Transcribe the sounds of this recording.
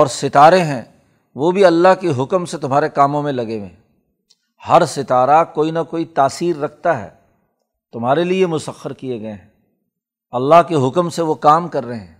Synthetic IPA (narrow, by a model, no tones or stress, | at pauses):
ɔːɾsɪt̪aːɾeɦɛ̃ː | ʋobʱiɐlːaɦkeɦʊkmset̪ʊmɦaːɾekaːmõmẽlɐɡeʋḛ̃ː | hɐɾsɪt̪aːɾakoːinakoːit̪aːsiːɾːɐk̚ʰt̪aɦɛ̰ː | t̪ʊmɦaːɾeliemʊsəxəɾkieɡɐeɦɛ̃ | ɐlːaɦkeɦʊkəmseʋokaːmkɐɾːɐɦeɦɛ̰̃ː